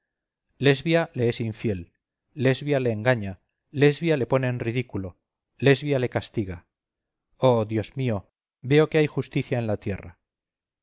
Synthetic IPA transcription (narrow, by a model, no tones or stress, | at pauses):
le̞zβjale̞esiɱfje̞lː | e̞zβjale̞ːŋɡaɲa | le̞zβjale̞po̞ne̞ːnrið̞ikulo̞ | le̞zβjale̞kast̪iɣa | oðjo̞zmio̞ | be̞o̞keajxust̪iθjaenlat̪je̞ra̰